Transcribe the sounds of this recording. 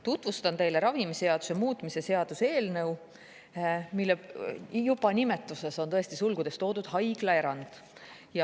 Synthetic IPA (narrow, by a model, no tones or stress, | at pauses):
t̪ut̪vust̪ɑnt̪e̞jle̞ɾɑvimiseɑd̪̥usemuːt̪ːˑmise̞se̞ɑd̪̥use̞ːlnɤw | milːejubɑnʲime̞t̪ːˑuse̞so̞nt̪ɤ̞est̪isulɡud̪̥e̞st̪o̞ːd̪̥ud̪̥hɑjɡ̥lɑe̞ɾɑnd̪̥ | jɑ